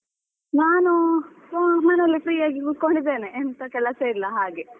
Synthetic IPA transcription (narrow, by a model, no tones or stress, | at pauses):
naːnu | mɐnelːipɾiːaːɡiɡut̪̚koɳɖid̪ːeːneːnt̪ɐkɛlɐseilːɐɦaːɡe̞